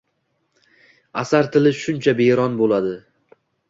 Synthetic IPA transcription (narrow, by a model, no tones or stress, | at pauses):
asaɾt̪ʰɪlɪʃʊnt͡ʃʰabeɾɒnbolad̪ɪ